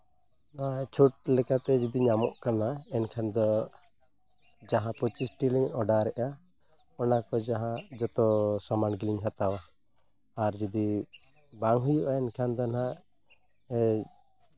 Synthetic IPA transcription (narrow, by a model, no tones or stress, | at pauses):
nat͡ʃʰuʈ̚lɛkat̪ɛd͡ʒid̪iɲamɔʔkanaɛnkʰand̪ɔ | d͡ʒaɦãpɔt͡ʃisʈiliɲɔɖaɾɛʔa | ɔnakɔd͡ʒaɦãd͡ʒɔt̪ɔsamanɡiliɲɦat̪awaː | ɾd͡ʒid̪i | baŋɦujuʔaɛnkʰand̪ɔna | ɛ